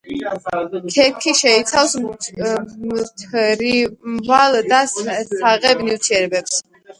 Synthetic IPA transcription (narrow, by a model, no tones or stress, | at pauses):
kʰɛɾkʰiʃɛit̪sʰafs | t̪ʰɾimvald̪assaʁɛbniwt̪ʰiɛɾɛbɛps